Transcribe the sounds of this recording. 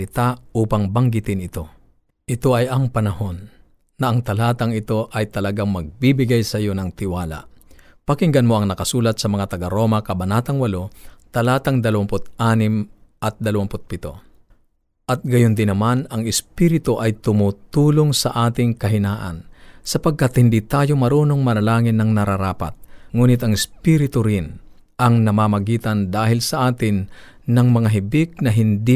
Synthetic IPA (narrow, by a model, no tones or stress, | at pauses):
ɪt̪auːpɐŋbɐŋɡɪt̪ɪnɪt̪o̞ | ʔɪt̪o̞ʔɐjɐŋpɐnɐho̞nː | ɐʔɐŋt̪ɐlaːt̪ɐŋɪt̪o̞ʔɐjt̪ɐlɐɡaŋmɐɡ̚bibɪɡajsɐjo̞nɐŋt̪ɪwaːla̰ʔpɐkɪŋɡɐnmoʔɐŋnɐkɐsuːlɐt̪̚sɐmɐŋat̪ɐɡɐɾo̞ːmɐkɐbɐnaːt̪ɐŋwɐlo̞t̪ɐlaːt̪ɐŋd̪ɐlɐwampʊt̪̚ʔaːnɪmʔɐt̪̚d̪ɐlɐwampʊt̪̚pɪt̪o̞̰ | ʔɐt̪̚ɡɐjond̪ɪnɐmanɐŋɪspiɾɪt̪oʔɐjt̪ʊmuːt̪uːloŋsɐʔaːt̪ɪŋkɐɦɪnaːʔɐ̰nsɐpɐɡ̚kat̪hɪnd̪it̪aːjomɐɾuːno̞ŋmɐlɐlaːŋɪnːɐŋnɐɾaɾaːpa̰t̪̚ŋuːnɪt̪ɐŋɪspiɾɪt̪ʊɾɪn | ʔɐŋnɐmaːmɐɡiːt̪ɐnd̪aːɦɪlsɐʔaːt̪ɪnː | ɐŋmɐŋaɦɪbɪk̚nɐɦɪnd̪i